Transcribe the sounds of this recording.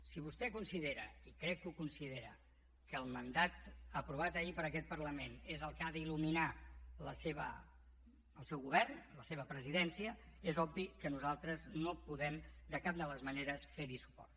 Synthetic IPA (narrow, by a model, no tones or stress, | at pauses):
siβust̪ɛkunsiðeɾə̰ikɾɛkːukunsiðeɾə̰ | kəːlˠmənd̪at̪əpɾuβ̞at̪əipəɾəkɛt̪̚pərləmenezəlˠkaðəiluminaləseβə̰ | əlˠsɛwɣuβ̞ɛrnləseβ̞əpɾəziðɛnsiəezɔbbikənuzalˠt̪ɾəznopuðɛmd̪əkap̚d̪ələzməneɾəsfeɾisu̥pɔ̰rt̪